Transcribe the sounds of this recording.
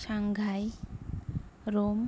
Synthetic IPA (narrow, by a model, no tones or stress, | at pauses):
ʃaŋɡʱaj | ɾom